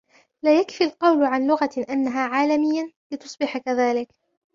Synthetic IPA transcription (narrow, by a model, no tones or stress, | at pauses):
laːjakfilqɑwlʕanlʊɣaʔanːaɦaːʕaːlamɪjːalɪt̪ʊ̥sˤbɪħakaðaːlɪk